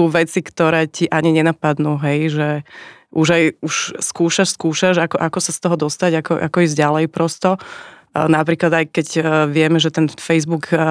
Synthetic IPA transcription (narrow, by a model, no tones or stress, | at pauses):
uːʋɛt͡sikt̪ɔɾɛːciʔaɲiɲɛnapad̪nuːɦɛjʒɛʔuʒajuʃskuːʃaʃskuːʃaʒakɔʔakɔsast̪ɔɦɔd̪ɔst̪aɟakɔʔa̰kɔizɟalɛjpɾɔst̪ɔ | napɾiːklad̪ajkɛɟʋɪɛmɛʒɛt̪ɛnfɛjzbuk